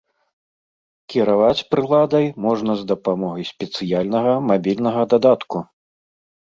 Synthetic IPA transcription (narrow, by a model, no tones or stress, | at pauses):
kʲiɾavat͡sʲpɾɨlˠad̪ɐjmɔʐnɐzd̪ɐpamɔɣɐjsʲpʲɛt̪sɨjalʲnɐɣɐmabʲilʲnɐɣɐd̪ad̪at̪ku